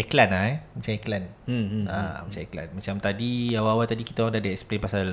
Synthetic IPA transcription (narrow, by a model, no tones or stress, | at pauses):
ɛklanahɛmat͡ʃaɛklan̩a̰mat͡ʃaɛkla̰nmat͡ʃamt̪adiawaawat̪adikit̪awaŋdadəɛksplenpasal